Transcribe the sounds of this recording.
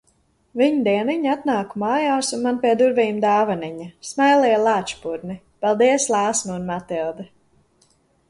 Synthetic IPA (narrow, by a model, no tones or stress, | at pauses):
viɲd̪iɛniɲat̪naːkumaːjaːsunmanpiɛd̪uɾviːmd̪aːvaniɲasmajlˠɛjlˠaːt͡ʃpuɾni | palˠd̪iɛslˠaːsmunmat̪ilˠd̪ɛ